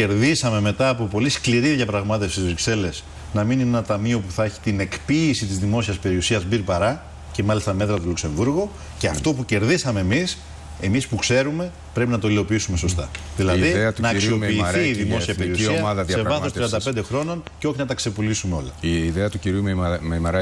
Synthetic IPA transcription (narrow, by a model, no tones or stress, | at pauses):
e̞ɾðisɐme̞me̞t̪ɐːpo̞po̞liskliɾiðjʝɐpɾɐɣmɐt̪efst̪izvɾikse̞le̞s | nɐmininenɐt̪ɐmio̞puθɐeçi̥t̪ine̞kpiːsit̪izðimo̞siɐspe̞ɾiusiɐzbiɾpɐɾɐ | ce̞mɐlist̪ɐme̞t̪ɾɐt̪ulukse̞ɱvuɾɣu | ceɐft̪o̞puce̞ɾðisɐme̞ːmis | e̞mispukse̞ɾume̞ | pɾe̞pinɐt̪oilo̞piisume̞so̞st̪ɐðilɐðiðeɐt̪nɐːksio̞piːθθiːðimo̞siɐpeɾiuisiɐɐðɐðsɐsevɐθost̪ɾiɐnd̪ɐpend̪exɾo̞no̞nceo̞çinɐt̪ɐkse̞pulisumeo̞̰lɐiðeɐt̪uciɾummemɐɾ